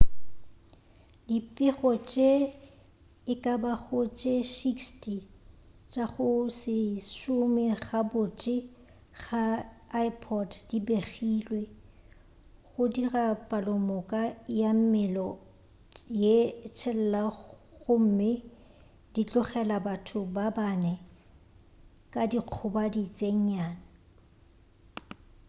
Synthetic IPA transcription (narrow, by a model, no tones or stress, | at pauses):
dipʼɪɣɔt͡ʃʼe | ɪkʼabaɣʊt͡ʃʼeʃikstʼi | t͡ʃʼaɣʊsɪʃʊmɪɣabʊt͡ʃʼɪ | ɣaːipʰɔddibeχilwe | ɣʊdirapʼalʊmʊkʼajam̩mɪlɔ | jet͡ʃʰɛl̩laɣʊm̩mɪ | d̥it͡ɬʼʊχɛlabatʰʊbabanɛ | kʼadiq͡χʰʊbadit͡sʼeɲ̩ɲaːna